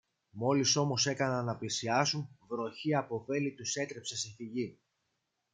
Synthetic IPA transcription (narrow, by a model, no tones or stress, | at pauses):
mo̞liso̞mo̞se̞kɐnɐnɐplisiɐsunvɾo̞çiɐpo̞fe̞lit̪use̞t̪ɾe̞pse̞siθiʝi